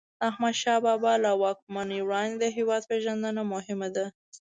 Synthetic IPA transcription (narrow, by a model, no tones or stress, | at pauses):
ahmad̪ʃɑbɑbɑlawɑk̚manəjwɽɑnd̪ed̪əɦewɑd̪̚peʒand̪ənamʊɦɪmad̪a